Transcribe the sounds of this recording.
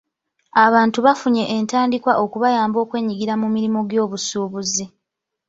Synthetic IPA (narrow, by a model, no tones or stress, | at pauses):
aβaːntuβafuɲe̞ʔentaːndikwaʔo̞kuβajaːmbo̞ːkwe̞ːɲiɡiɾamumiɾimoɡjo̞ːβusuːβuzi